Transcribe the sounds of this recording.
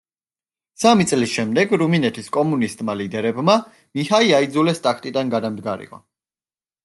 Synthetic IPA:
samit̪sʼlisʃɛmd̪ɛɡɾuminɛt̪ʰiskʼɔmunist̪ʼmalid̪ɛɾɛbma | mihaiaid̪zulɛst̪ʼakʰt̪ʼid̪anɡad̪amd̪ɡaɾḭqʼɔ̰

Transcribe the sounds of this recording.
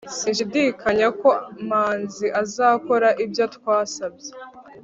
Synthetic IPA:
sinʃ̬idikaɲako̞maːnziʔazaːko̞ɾaʔibjatkwaːsabje

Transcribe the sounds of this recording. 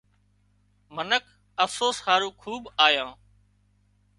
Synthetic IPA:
mənəkʰ | əfsoːshaːɾũːkʰuːbaːjãː

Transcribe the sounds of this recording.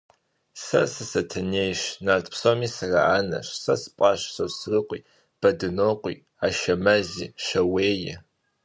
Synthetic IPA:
sɐ̰sɨsɐtʰɨneːjɕnaːrtʰʼpʰsomiːsɐraaːnɐ̰ɕsɐsɨ̥pʼɑɕsosrɨqʷʼiː | b̥ɐdɨnoːqʷḭː | aːʃɐmɐziːʃɐweːjɪ̰

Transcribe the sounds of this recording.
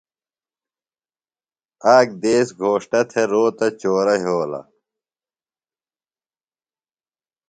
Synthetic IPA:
aːk̚d̪eːsɡʱoːʂʈɐt̪ʰeɾoːt̪ɐt͡ɕoːɾɐɦiɦoːlɐ̰

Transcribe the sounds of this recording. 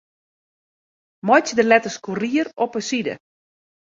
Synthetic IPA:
mɔjtdəlɛtəskuriəɾɔpəsidə̰

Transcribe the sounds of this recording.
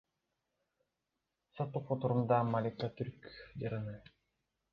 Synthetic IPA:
sɔt̪ːuqːut̪uɾumd̪amːalʲikːat̪yɾkd͡ʑaɾɯnɯ

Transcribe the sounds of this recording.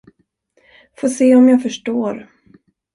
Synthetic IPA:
foːseːɔmjɑːɡfœʂʈoːɾ

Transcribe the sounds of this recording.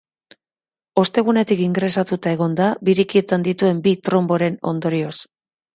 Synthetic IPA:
o̞st̪e̞ɣ̞une̞t̪ikiŋɡɾe̞sat̪ut̪ae̞ɣ̞o̞nd̪abiɾikie̞t̪and̪it̪ue̞mbit̪ɾo̞mbo̞ɾe̞no̞̰nd̪o̞ɾio̞s

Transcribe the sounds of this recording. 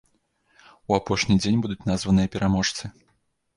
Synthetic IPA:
uapɔʂnʲid͡zʲenʲbud̪ut͡sʲnazvɐnɨjɐpʲɛɾamɔʂt̪sɨ

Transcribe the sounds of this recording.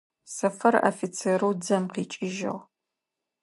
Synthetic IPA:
sɐfɐra̰fit͡sʰeɾuːd͡zɐmqiːt͡ʃʼɪʒɪ̰ʁ

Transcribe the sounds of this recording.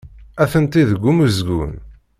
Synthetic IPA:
æθənt̪iðəɡʷːumuzɡṵn

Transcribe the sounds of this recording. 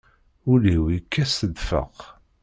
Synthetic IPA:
ʊliwikːæsəðfə̰q

